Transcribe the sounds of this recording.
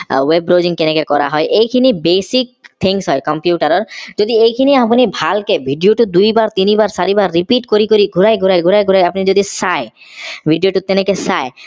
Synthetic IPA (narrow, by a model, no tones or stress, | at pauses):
webɾod͡ʑiŋkenekekɔɾa̰ɦɔeʔejkʰinibesik̚t̪ʰiŋsɦɔjkɔmpjuʈaɾɔɾd͡ʒod̪iejkʰiniapnibʱalkebʱiɖijoʈud̪ujbaɾt̪inibaɾsaɾibaɾːipiʈkoɾikoɾiɡʱuɾajɡʱuɾajɡʱuɾajɡʱuɾajapnid͡ʒod̪isaj | bʱiɖijoʈut̪enekesaj